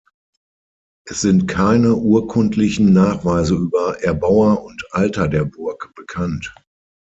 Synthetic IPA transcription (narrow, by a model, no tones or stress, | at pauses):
ʔɛsz̥ɪntkʰaɪnəʔuːɐkʰʊntʰlɪçn̩naːχv̥aɪzəʔyːbɐʔɛɐbaʊɐʊntʔaltɐdeːɐbʊɐkb̥əkʰant